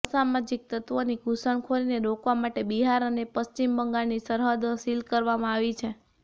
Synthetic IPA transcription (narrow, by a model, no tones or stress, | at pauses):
samad͡ʒik̚t̪ət̪ʋoniɡʱusəɳkʰoɾineɾokʋamaʈebiɦaɾənepəst͡ʃimbəŋɡaɭnisəɾɦəd̪əsilkəɾʋamãaʋit͡ʃʰe